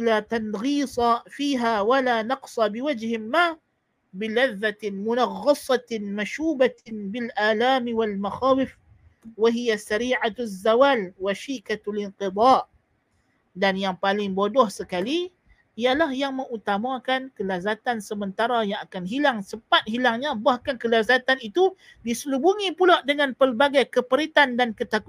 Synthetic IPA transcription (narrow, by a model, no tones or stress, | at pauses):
lat̪anɣiːsˤɑfiːɦawalanɑqsˤɑbɪwad͡ʒhɪmːa | bɪlaðːat̪ɪnmʊnɑɣːɑsˤɑt̪maʃuːbabɪlʔaːlaːmiwalmaxaːwɪf | waɦijasaɾiːʕazːawaːlwaʃikalɪnqɨd̪ˤɑːʔ | danjaŋpalɪŋbodɔhsəkali | ijalahjaŋmə̃ŋut̪amãkankəlazat̪ansəmənt̪aɾajaŋakanɦilaŋsəmpat̪̚ɦilaŋɲabahkankəlazat̪anit̪u | disəlubuŋĩpulaʔdəŋãnpərbaɡajkəpəɾit̪andankət̪aku